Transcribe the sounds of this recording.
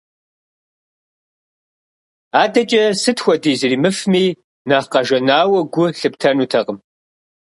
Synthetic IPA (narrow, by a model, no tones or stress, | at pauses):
aːdɐt͡ʃʼɐsɨtxʷɔdiːzɨriːmɨfmiː | naːqɐʒɐnaːwɐɡʷʊɬɨptʰɐnuːtʰɐqəm